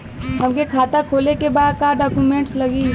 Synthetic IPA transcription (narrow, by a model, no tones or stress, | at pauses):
ɦɐmkekʰaːt̪akʰoːlekebaːd̪kaːɖɔːkumẽːɳʈslɐɡiː